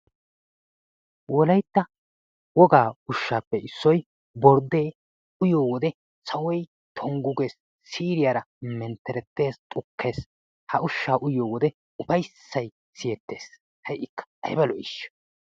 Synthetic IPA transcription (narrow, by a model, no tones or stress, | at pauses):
wɔlɐjt̪ːɐ | wɔɡaːʊʃːaːpːɛɪsːɔj | bɔɾd̪e̞ː | ʊjoːwɔd̪ɛ | sɐwɔj | t̪ʰɔŋɡʊɡe̞ːs | siːɾɪjaːɾɐ | mɛnt̪ːɛɾɛt̪ːe̞ːst̪ʼʊkʰːe̞ːs | hɐʔʊʃːaːʔʊjoːwɔd̪ɛ | ʊfɐjsːɐj | sɪjɛt̪ːe̞ːs | hɐjʔɪkːɐ̥ʔɐ̰jbɐlɔʔɪʃ